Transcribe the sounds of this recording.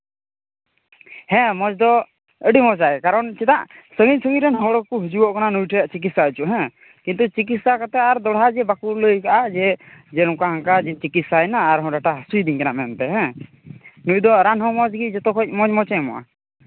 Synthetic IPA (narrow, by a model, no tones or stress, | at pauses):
hɛ̃mɔd͡ʒd̪ɔ | əɖimɔt͡ʃaɛkaɾɔnt͡ʃit̪aʔsəŋit̪̚səŋiɾɛnɦɔɽɔkuɦud͡ʒubɔʔkananujʈʰəaʔt͡ʃik̬it̪saət͡ʃuʔɦɛ̃ | kint̪ut͡ʃik̬it̪sakat̪ɛaɾd̪ɔɽɦad͡ʒɛbakuləjkaʔad͡ʒɛd͡ʒɛnɔkaɦaŋkad͡ʒɛt͡ʃikit̪̚sajnaːɾɦɔ̃ɖaʈaɦasujd̪iɲkɛnaʔmɛmt̪ɛɦɛ̃ | nuj̚d̪ɔɾanɦɔmɔd͡ʒɡid͡ʒɔt̪ɔkɔc̚ˀmɔd͡ʒmɔt͡ʃɛmɔ̰ʔa̰